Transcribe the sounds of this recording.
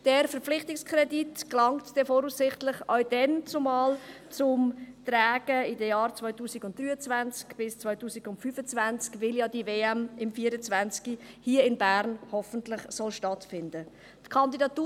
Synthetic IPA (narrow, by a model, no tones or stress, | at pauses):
d̥ɛːɾfəɾp͡fflɪχtɪkskʰɾɛditklɑŋtd̥ɛfɔːɾuːsɪχtlɪχœwd̥ɛnt͡sʊmɑːl | t͡sʊmt̪ræːɡ̥əɪdəjɑːɾt͡svɔʏtuːsɪɡʊnt̚d̥ryːət͡svænt͡skb̥ɪst͡svɔʏtuːsiɡʊntfyːfət͡svænt͡skvɪljɑdiveːɛmɪmfiːəɾət͡svænt͡skihiːəɪnbæɾnhɔfəntlɪχsɔlʃtɑtfɪndə | tkʰɑndidɑtuː